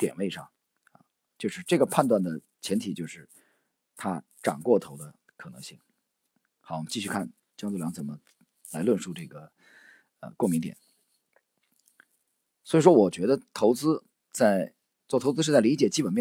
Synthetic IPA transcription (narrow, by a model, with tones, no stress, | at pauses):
t̪jɛ˨˩nwe˥˧ɪʂɑ˥˩ŋ | ɐ˩ | t͡ɕjo˥˧ʊʂɻ̩˥˧ʈ͡ʂɤ˥˩ɡə˩pʰa˥˧nt̪̬wa˥˩nd̪ə˩ | t͡ɕʰjɛ˧˥nt̪ʰi˨˩t͡ɕjo˥˧ʊʂɻ̩˥˩ | t̪ʰa˥ | ʈ͡ʂɑ̰˨˩ŋkwɔ˥˩t̪ʰo˧˥ʊd̪ə˧ | kʰɤ˨˩nɤ̰˧˥ŋɕi˥˩ŋ | xɑ˧˥wt͡ɕi˥˧ɕy˥˧kʰa˥˩n | t͡ɕjŋt͡sljɑ˧˥ŋt͡sə˨˩mə˦ | la˧˥ɪlwə˥˧nʂu˥˧ʈ͡ʂɤ˥˩ɡə˩ | ə̰˧kʊ˥˩ŋmi˥ŋt̪jɛ̰˨˩˦n | swɔ˧˥i˨˩ʂwɔ˥wɔ˨˩t͡ɕɥɛ˧˥d̪ə˧t̪ʰo˧˥ʊt͡sɹ̩˥ | t͡sa˥˩ɪ | t͡swɔ˥˩t̪ʰo˧˥ʊt͡sɹ̩˥ʂ̩ɻ̩˥˧˥t͡sa˥˩li˧˥t͡ɕjɛ˨˩t͡ɕi˥pə˨˩nmjɛ˥